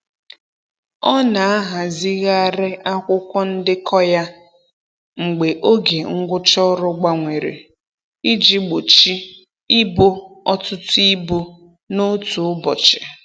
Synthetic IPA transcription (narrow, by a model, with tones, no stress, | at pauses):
ɔ˦na˨a˦ɦa˨zi˦ɣa˦a˦ɾɪ˦ʔa˦kʷʊ˦kʷɔ˦n̩˦dɪ˦kʰɔ˦ja˦ | ŋ͡m̩˨ɡ͡be˨ʔo˦ɡe˨ŋ̩˦ɡʷʊ˦t͡ʃɔ˦ɾʊ˦ɡ͡ba˦ŋʷe˨ɾḛ˨ | i˦d͡ʒi˦ɡ͡bo˨t͡ʃi˦ | i˦bo˦ɔ˦tʊ˦tʊ˦i˦bu˦ | no˦tu˨ʊ˦bɔ˨t͡ʃɪ̥˨